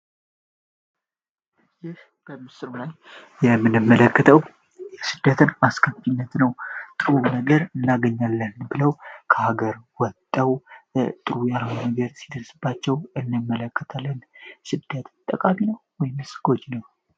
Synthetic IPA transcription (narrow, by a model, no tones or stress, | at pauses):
jɪh | b̥əmɨsɨɾulaj | jɛmːɨnɨmːələkːət̪ʰəw | jɛsɨd̪̥ːət̪ʰənaskʰəmfinːət̪nəwt̪ʼɨɾunəɡəɾɨnːaɡəɲːalːənbɨləwkʰəhaɡəɾwɔt̪ʼːəwt̪ʼɨɾujalhonnəɡəɾsid̪əɾsɨbːat͡ʃːɛwɨnːɨmːələkːət̪ʰalːənsɨd̪̥ːət̪t̪ʼːəkʼaminəwwɔjmɨsɡ̥o̞d͡ʒnəw